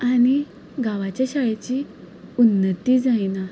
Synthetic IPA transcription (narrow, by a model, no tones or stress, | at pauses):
aɽ̃i | ɡaʋat͡ɕjaɕajat͡ɕiː | unːət̪iːd͡zajna